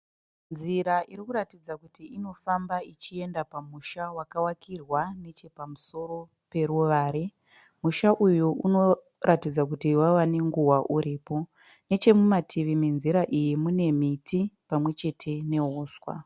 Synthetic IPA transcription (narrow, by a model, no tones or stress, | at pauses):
nziɾaʔiɾikuɾatid͡zakutiino̞fambait͡ʃie̞ndapamuʃawakawakʰirwane̞t͡ʃe̞pamuso̞ɾo̞ | pe̞ɾuʋaːɾe | muʃaʔujuʔuno̞ | rʔatid͡zakutiwawane̞ŋɡuwaʔuɾiːpo̞ | ne̞t͡ʃe̞mumatʰiʋiminziɾaʔijimune̞mitʰipamwe̞t͡ʃe̞tʰe̞ne̞ɦuːswa̰